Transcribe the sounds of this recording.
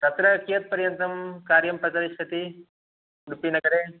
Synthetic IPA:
t̪ɐt̪ɾɐkijɐt̪̚pɐɾjɐnt̪ɾɐmkaːɾjɐmpɾɐt͡ʃad̪iʃɐt̪i | uɽupinɐkɐɾeː

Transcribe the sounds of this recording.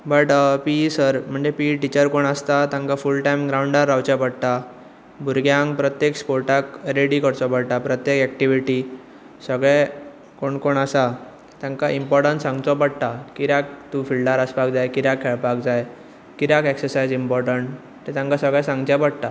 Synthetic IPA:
bəʈpisəɾm̤əɳd͡zepiʈit͡ɕəɾkoɳəst̪at̪ãŋkafulʈajmɡɾauɳɖaɾːawt͡ɕapəɽt̪a | bʱuɾɡjãŋɡpɾət̪jekspoɾʈakɾeɽikəɾt͡sɔpəɽt̪apɾət̪jekɛk̚ʈiʋiʈi | səɡɭɛ̃ | koɳkoɳasa | t̪jãŋkaimpɔɾʈəɳʈsãŋɡt͡s̪ɔpəɽt̪akiɾjak̚t̪ũfilɖaɾəspak̚d͡zajkiɾakʰːɛɭpakd͡zaj | kiɾakɛksəɾsajd͡zimpɔɾʈəɳʈ | t̪ːet̪jãŋkasəɡɭɛ̃sãŋɡt͡ɕjapəɽt̪a

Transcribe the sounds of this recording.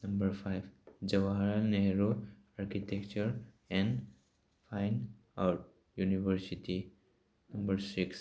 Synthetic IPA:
nɐ̃mbəɾpʰaɪbd͡ʒəʋaaɾlneɦɾo | aɾkitekt͡ʃəɾ | ɛ̃n | fʰaɪn | a | juniʋəɾsiʈi | nɐmbəɾsiks

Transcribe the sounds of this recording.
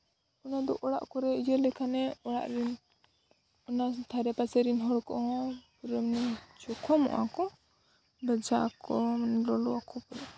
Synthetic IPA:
ɔnad̪ɔʔɔɽa̰ʔkɔɾɛijəlɛkʰanɛɔɽa̰ʔɾin | ɔnat̪ʰaɾɛpat͡ʃɛɾinɦɔɽkɔ̰ʔɔ̃pɾmnit͡ʃɔkʰɔmɔ̰ʔakɔ | bad͡ʒakɔlɔlɔakɔpɔɾɛ

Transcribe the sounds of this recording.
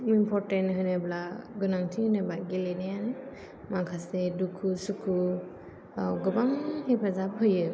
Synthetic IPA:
mimpʰɔɾtenɦɯneblaɡɯnaŋtʰihɯnebaɡelenajanɯ | makʰasedukʰusukʰu | awɡɯbaŋhepʰazap̚ɦɯjɯ

